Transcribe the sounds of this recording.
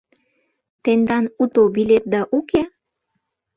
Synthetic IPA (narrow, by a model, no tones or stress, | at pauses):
t̪end̪ɑnut̪obilet̪̚d̪ɑʔuke